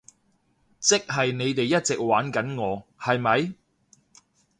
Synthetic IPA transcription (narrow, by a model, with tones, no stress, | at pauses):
t͡sɪ˥k̚ɦɐ˨jne˨˧jt̪e˨jːɐ˥t̚t͡sɪ˨k̚waː˨˥nkɐ˨˥nŋɔː˨˧hɐ˨jmɐ˨˧j